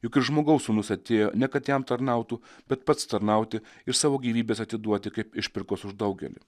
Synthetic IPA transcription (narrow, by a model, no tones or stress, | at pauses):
jʊkɪɾʒmoːɡɐʊsʊnʊsʲɐt̪ʲeːjo̰ːnʲɛkɐt̪jɛmt̪ɐɾnɑˑʊt̪uːb̥ʲɛt̪pɐt̪st̪ɐɾnɑˑʊt̪ʲɪɪɾsɑːʋoːɡʲiːʋʲiːbʲeːsɐt̪ʲɪd̪uɔt̪ʲɪkɐɪpɪʃʲpʲɪɾkoːsʊʒd̪ɐʊɡʲɛ̰lʲɪ̰